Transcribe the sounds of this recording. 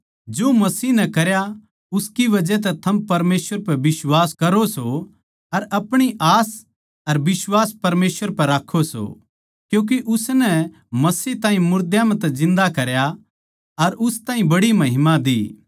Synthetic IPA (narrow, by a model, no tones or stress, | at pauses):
d͡ʒoːmɐsiːnɛkɐɾja | ʊskiʋɐd͡ʒɛt̪̬ɛt̪ʰɐmpɐɾmeːsʋəɾpɐbɪswaːskɐɾoso | ɐɾɐpɽ̃iʔaːs | ɐɾbɪswaːspɐɾmeːsʋəɾpɐɾaːkʰːoso̰ | kjũːk̬iʔʊsnɛ | mɐsiːɦt̪aːɦĩmʊɾd̪jamɛ̃t̪ɛzɪ̃nd̪akɐɾja | ɐɾʊst̪ãːɦĩbɐɽimɐɦɪmãd̪iː